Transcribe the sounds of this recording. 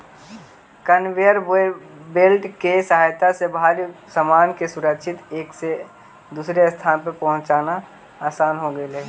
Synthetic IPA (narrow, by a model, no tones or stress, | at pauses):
kənweəɾbelʈkesɐɦaːjt̪asebʱaːɾjsəmaːnkesʊɾəkʃʰɪt̪eːkse | d̪uːsɾeɐst̪ʰaːnpəpɐɦʊ̃t͡ʃaːna | aːsaːnɦoɡəileː